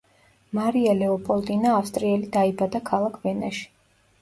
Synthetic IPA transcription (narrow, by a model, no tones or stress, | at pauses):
maɾialɛɔpʼɔlˠt̪ʼinaːfst̪ʼɾiɛlid̪aibad̪akʰalˠakʰvɛnaʃi̥